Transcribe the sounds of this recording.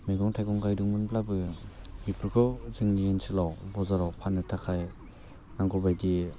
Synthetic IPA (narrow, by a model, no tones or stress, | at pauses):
miɡɔŋtʰajɡɔŋɡajdɯŋmɯnplabɯmipʰɯɾkʰɔwzɯŋniensʰilawbɔzaɾawpʰanːɯtʰakʰaj | naŋɡɔbajdi